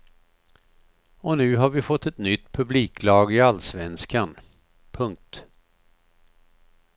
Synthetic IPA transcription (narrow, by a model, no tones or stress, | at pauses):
ɔnʉ̟ːɦaɾvɪfɔt̪ːɛt̪nʏt̪ːpʰɵbliːkʰlɑːɡɪalsvɛnskan | pʰɵŋk̚t̪